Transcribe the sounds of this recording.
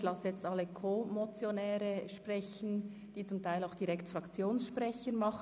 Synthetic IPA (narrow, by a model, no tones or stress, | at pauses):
lɑsjɛt͡stɑlːəkʰomot͡sjonɛːɾəʃpʁɛçn̩ | d̥iːt͡sʊmtʰaɪlaʊxd̥iʁɛktfʁɑkt͡sjoːnsʃpʁɛçəmɑχ